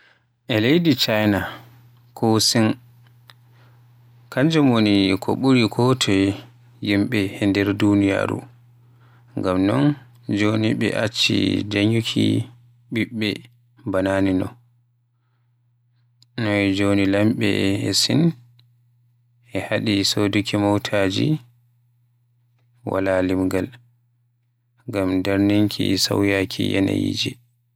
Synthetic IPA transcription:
ʔɛlejdit͡ʃajna | kʰɔsin | kaɲd͡ʒɛmonikʰɔ̰ɓuɾikʰɔtʰɔ | jimɓɛhɛndɛɾdunija̰ɾṵ | ŋɡamnɔn | d͡ʒoniɓɛ̰ʔat͡ʃːḭd͡ʒaɲukʰḭ | ɓiɓːɛ̰ | bananinɔ | nɔɛd͡ʒonilamɓɛsin | ɛhaɗisodukʰimɔwtʰad͡ʒi | wa̰lalimɡal | ɡamdaɾniŋkʰisa̰wjakʰijɛ̰na̰jḭd͡ʒɛ

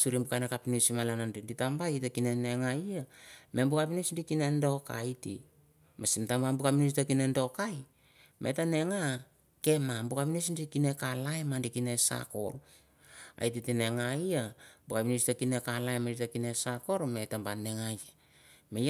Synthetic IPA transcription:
suɾimbukajnakapinusimalanandiditambajtakinene̞ŋaiame̞mbukapinusndikine̞ndo̞ka̰jtḭ | masintambambukapinus̬itakinendo̞kaj | mʔḛtane̞ŋa | ke̞mambukapinusndikine̞kalaemandikinesa̰ko̞̰ɾ | a̰jtitine̞ŋajabukapinustakinekalaemanditakinesako̞ɾme̞tambane̞ŋaja | mej

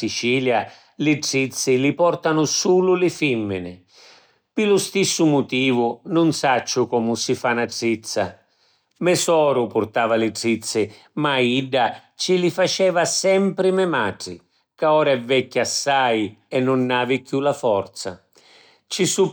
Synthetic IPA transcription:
sit͡ʃiːlja | lɪʈɾit̪sːɪlɪpɔrt̪anʊsuːlʊlɪfimːɪnɪ | pɪlʊst̪isːʊmʊt̪iːvʊnʊnsat͡ʃːʊkɔːmʊsɪfanaɖit̪sːa̰ | mɛsɔːɾʊpʊɾt̪aːvalɪɖɾit̪sːɪ | maiɖːa | t͡ʃilɪfat͡ʃɛːvasɛmpɾɪmɛmaʈɾɪ̰ | kaɔːɾaɛvːɛkːasːajɛnːʊnːaːvɪkːjulafɔrt̪sa̰ | t͡ʃisu

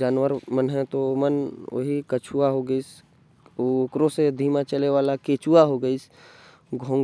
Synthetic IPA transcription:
d͡ʒaːnʋəɾmənɦɛ̃t̪oməno̰ɦikət͡ʃʰuaɦoɡəis | ookɾõsed̪ʱiːmãt͡ʃəleʋaːlakeːt͡ʃuaɦoɡəis | ɡʱõːŋ

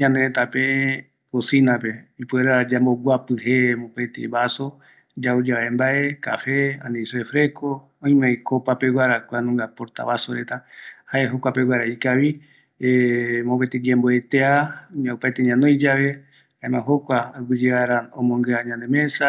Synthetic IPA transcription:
ɲãnd̪eɾet̪ape | kosinapeipueɾad͡ʒamboɡʷapɨɦemopat̪ḛβaso | d͡ʒaud͡ʒaaembaʔe̞ka̰fea̰nisefɾeko | õĩmãjkopapewʷaɾakʷanũŋɡapoɾt̪a̰βasoɾet̪ahaeɦokʷapewaɾaikaβi | mopaet̪iɡemboet̪eaɲaupajt̪eɲãnõjd͡ʒaβe̞ | hãemãɦokʷaːɡɨd͡ʒeaɾaõ̰mõŋɡɨaɲãnd̪emẽsa

